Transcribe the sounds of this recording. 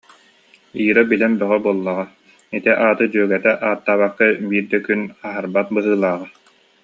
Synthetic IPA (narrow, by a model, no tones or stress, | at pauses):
iːɾabilɛnbœʁɔbuɔlˠːaʁa | it̪ɛʔaːt̪ɯd͡ʒyœɡɛt̪ɛʔaːt̪ːaːβakːabiːɾd̪ɛkynaɦaɾbat̪̚bɯɦɯːlˠaːʁa